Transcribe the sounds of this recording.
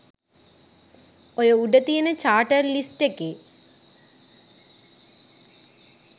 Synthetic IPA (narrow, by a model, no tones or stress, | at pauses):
oɾouɖɐt̪ːijɐnet͡ɕaːʈːɐrlistekːe